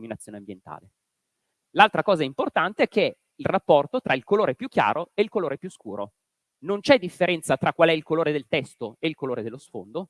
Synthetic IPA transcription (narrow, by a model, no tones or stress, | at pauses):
minat̪sjoːneambjent̪a̰ːle | lalt̪ɾakɔːzaimport̪ant̪eɛkːe | ilrapːɔrt̪ot̪ɾailkoloːɾepjukːja̰ːɾoeilkoloːɾepjuskuːɾo̰ | nont͡ʃɛd̪ifːeɾɛnt̪sat̪ɾakːwalɛilkoloːɾed̪elt̪ɛst̪oeilkoloːɾed̪elːosfond̪o